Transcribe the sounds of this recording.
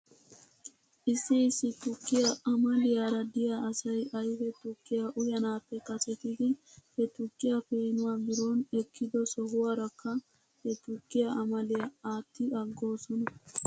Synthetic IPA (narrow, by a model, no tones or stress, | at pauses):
ʔɪsːɛɪsːɪt̪ʊkːɪjɐʔɐmɐlɪjaɾɐd̪ɪjaɐsɐjʔɐjhɛt̪ʊkːɪjaʔʊjɐnaːpːɛkɐsɛt̪ɪd̪ɪhɛt̪ʊkʼːɪjɐpeːnʊwabɪɾoːnɛkʰːɪd̪ɔsɔhʊwaɾɐkːɐ | hɛt̪ʊkːɪjɐʔɐmɐlɪjɐaːt̪ːɪɐɡːo̞ːsɔnɐ